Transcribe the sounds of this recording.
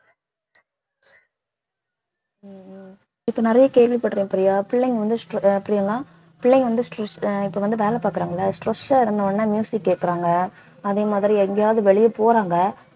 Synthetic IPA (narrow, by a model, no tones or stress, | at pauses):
ɪpːonɪɾɐjɐkeːɾʋɪpɐɽɾĩŋɐpːɐɾɪjaːpɪɭːɛŋɡʋɐnd̪ɯsʈɐpːɐɾɪjaːŋɡɐaː | pɪɭːɛŋɡɐʋɐnd̪ɯsʈɾɐʂɪpːoʋɐnd̪ɯʋeːlɛpaːkɯɾaːŋɡɐɭːɐsʈɾɐsːaːɪɾɯnd̪ɐʋɐnːaːmjuːsɪkːeːʈkːɪɾaːŋɡɐ | ɐðeːmaːðɪɾiɛŋɡɛjaːʋðɯʋɛɭɪjɐpoːɾaːŋɡɐ